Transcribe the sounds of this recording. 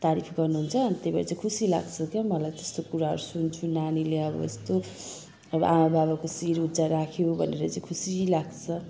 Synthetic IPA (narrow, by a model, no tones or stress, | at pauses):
t̪aɾipʰɡʌrnuɦunt͡sʰʌnit̪ebaɾit͡saĩkʰusila̰ɡt͡sʰʌkjamʌlajt̪e̥st̪okuɾaɦʌɾusunt͡sʰunanileʌbʌ̰ḛst̪o | ʌbʌ̰ʔamababakosiɾud͡zaɾakʰjobʱʌneɾʌt͡saĩkʰusilaɡt͡sʰʌ